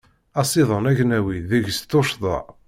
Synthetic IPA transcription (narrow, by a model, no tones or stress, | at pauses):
ɑsˤiðˤənæʝnæwiðiʝst̪ːoʃðˤɑ̰